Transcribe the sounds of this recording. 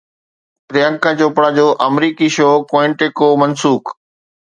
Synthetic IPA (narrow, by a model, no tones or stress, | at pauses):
pɾɪjãŋkãt͡ɕoːpɽad͡ʑoːʔɐmɾiːkiʃoːkoɪ̃ɳʈeːkomɐnsuːk